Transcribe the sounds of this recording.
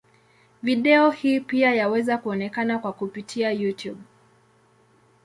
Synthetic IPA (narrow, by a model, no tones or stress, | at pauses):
viɗɛɔhiːpiajawɛzakuɔnɛkanakwakupitʰiajutjub